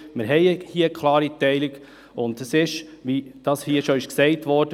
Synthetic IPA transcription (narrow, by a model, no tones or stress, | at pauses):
mɪɾɦɛɪəhiəkʰlɑːɾitɛɪliɡ | ʊndəsɪʃʋid̥ɑːshiəʃɔɪʃksɛɪtʋɔɾd̥ə